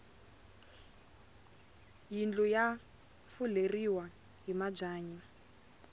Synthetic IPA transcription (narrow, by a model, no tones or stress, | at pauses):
jind͡ɮuja | fuleriwa | ɦimab͡ʐaːɲi